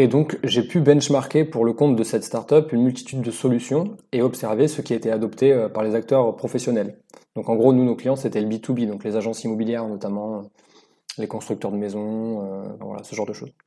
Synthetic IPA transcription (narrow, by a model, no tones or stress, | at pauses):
ed̪ɔ̃kʒepybɛ̃nʃmaʁkʲepuʁləkɔ̃t̪̚d̪əsɛt̪st̪aʁt̪œpynmylt̪i̥t̪yd̪ːəsɔlysjɔ̃eɔpsɛʁvesəkʲiaet̪ead̪ɔpt̪eøpaʁlezak̚t̪œʁpχɔfɛsjɔnɛl | d̪̥ɔ̃kɑ̃ɡʁonunoklijɑ̃set̪ɛləbit̪ubid̪ɔ̃klezaʒɑ̃simɔbiljɛʁnɔt̪amɑ̃ø | lekɔ̃st̪χyk̚t̪œʁd̪əmezɔ̃øfɛ̃vwa̰la̰səʒɑ̃ʁd̪əʃo̰z